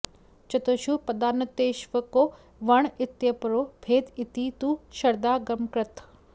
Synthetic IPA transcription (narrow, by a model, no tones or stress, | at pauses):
t͡ʃɐt̪oːʃupɐd̪aːnɐt̪eːʃʋɐkoː | ʋɐɳ̃ɪt̪jɐpɾoːbʰʱeːd̪ɪt̪it̪uːʃɐɾd̪aːɡɐmkɾɐt̪ʰ